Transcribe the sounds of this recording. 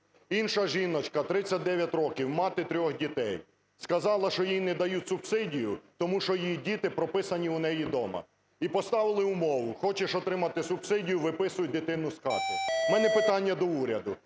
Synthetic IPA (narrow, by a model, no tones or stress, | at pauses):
inʃɐʒinɔt͡ʃkɐt̪ɾɪt͡sʲːɐt̚ʲd̪ɛʋʲjɐtʲrɔkʲiwmɑt̪ɪt̪ɾʲɔxdʲit̪ɛj | skɐzɑlˠɐʃt͡ʃɔjinɛd̪ɐjutʲsʊbsɪdʲijʊt̪ɔmuʃɔjjidʲit̪ɪpɾɔpɪsɐnʲiʊnɛjid̪ɔmɐ̰ | ipɔst̪ɑʋɪlˠɪʊmɔʋʊxɔt͡ʃɪʃɔt̪ɾɪmɐt̪ɪsʊbsɪdʲijʊʋɪpɪsʊjʊd̪ɪt̪ɪnʊskɑ̰k̪ʊmɛnɛpɪt̪ɑnʲːɐd̪ɔuɾʲɐd̪ʊ